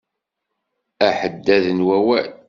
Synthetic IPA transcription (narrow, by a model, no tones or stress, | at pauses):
æħəd̪ːæðənwæwæl